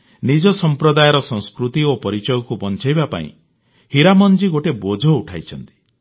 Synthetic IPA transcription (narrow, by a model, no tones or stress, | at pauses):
nid͡ʒɔsɔmpɾɔd̪ajɔɾɔsɔ̃ŋskɾut̪iopɔɾit͡ʃɔjɔkubɔnt͡ʃajbapa̰ḭ̃ | hiɾamɔnd͡ʒiɡoʈebod͡ʒʱɔuʈʰajt͡ʃʰɔnt̪i̥